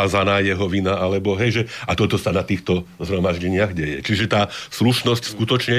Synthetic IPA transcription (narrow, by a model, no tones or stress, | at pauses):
aːzanaːjɛɦɔʋinaʔalɛbɔɦɛjʒɛat̪ɔt̪ɔsanat̪iːxt̪ɔzɦɾɔmaʒɟɛɲɪaɣɟɛjɛ̰t͡ʃiʒɛt̪aːsluʃnɔscskut̪ɔt͡ʃɲɛ